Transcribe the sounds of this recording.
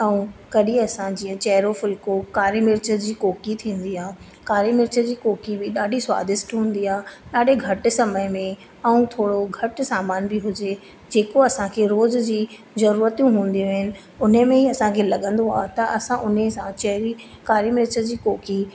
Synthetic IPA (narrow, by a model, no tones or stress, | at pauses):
ɐũkɐɗiɐsãd͡ʑĩːə̃t͡ɕɐɦɾofɪlkokaːɾimɪɾt͡ɕəd͡ʑiːkoːkit̪ʰĩːn̆d̪iãː | kaːɾimɪɾt͡ɕəd͡ʑiːkoːkibɪɗaːɖʱiswa̰ːd̪ɪsʈɦũːn̆d̪iaːɗaːɗeɡʱɐʈ̆sɐməɪmẽ | ɐũt̪ʰoːɽoɡʱɐʈsaːmaːnbɪɦʊd͡ʑe | d͡ʑeːkoɐsãkʰeɾoːzd͡ʑiː | zɐɾuːɾət̪jũɦũːn̆d̪ijõɦɪnɪ̆ | ʊn̤əmẽɦiɐsãkʰeːlɐɠə̃nd̪oa̰ːɦt̪ɐʔɐsãʔʊnesãt͡ɕɐɦɾi | kaːɾimɪɾt͡ɕəd͡ʑiːkoːki